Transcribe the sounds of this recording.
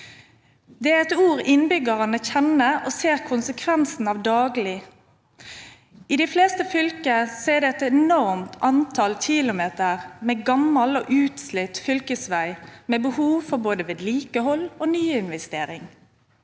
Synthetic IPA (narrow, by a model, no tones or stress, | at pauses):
d̪ɛæɛt̪uːʁɪnbʏɡəʁɑnəçɛnəoːseːʁkʰʊnsəkʰʋɛnsn̩ɑʋd̪ɑːɡlɪ | iːd̪ɪfleːst̪əfʏlkəseːʁd̪ɛɛt̪ɛnɔʁmt̪ʰʔɑnt̪ʰɑlçɪlʊmeːt̪əʁmeːɡɑmːɑlo̰ːʔʉːt̪slɪt̪fʏlkəsʋæɪmeːbəhuːʋfɔʁboːd̪əʋeːd̪liːkəhɔloːnyːɪnʋɛst̪eːɾɪŋ